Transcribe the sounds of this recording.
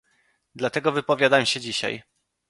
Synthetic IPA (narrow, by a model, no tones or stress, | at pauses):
d̪lat̪ɛɡɔvɘpɔvʲjad̪amɕɛd͡ʑiɕa̰j